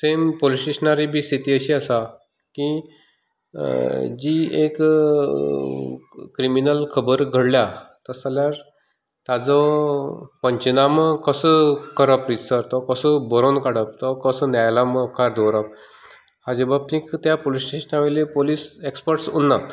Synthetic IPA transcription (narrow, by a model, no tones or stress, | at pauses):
sempolisʈeɕənaɾibʱiːsit̪iːəɕiːəsa | ki | d͡ʑiek | kɾiminəlkʰəbəɾɡʱəɽljat̪əsaljaɾ | t̪ad͡zɔ | pəɲt͡ɕinaməkəsəkəɾəpɾisəɾt̪ɔkəsəbəɾonkaɽəp̚t̪ɔkəsənajlaməkʰaɾd̪owɾəp̚ | had͡ʑebab̚t̪ĩkt̪japolisʈeɕənaʋelepoliːsekspəɾʈsunːat̪